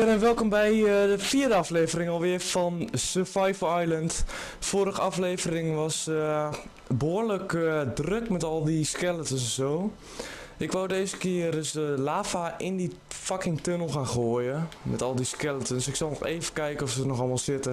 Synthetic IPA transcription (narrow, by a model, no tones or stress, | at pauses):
ɾɛnʋɛlˠkombɛjdəfiədəafleːvərɪŋɔlˠʋɪəfɔnsəfajfəajləntfoəɾəxəafleːvərɪŋʋɔs | boərləkdrøkmɛtɔlˠdiskɛlˠətəs̬ɛnsoː | ɪkʋowdeəsəkɪərøsdəlaːfaʔɪndi | fakɪŋtønəl̩ˠxaːnxoəjəmɛtɔlˠdiskɛlˠətənsɪksɑlˠnɔxeːvəkɛjkənɔfsənɔxɔlˠmalˠsɪtə